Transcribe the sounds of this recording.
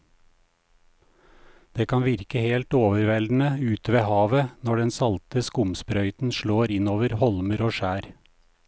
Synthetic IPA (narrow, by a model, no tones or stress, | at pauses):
d̪̥eːkʰɑnʋɪɾkəheːlt̪oːʋəɾʋɛld̪n̩əʉːt̪ʋeːhɑːʋənɔɖɛnsɑlt̪əskʊmspɾœʏt̪n̩ʃɭoːɾɪnoːʋəɾhɔlməɾoːʃæːɾ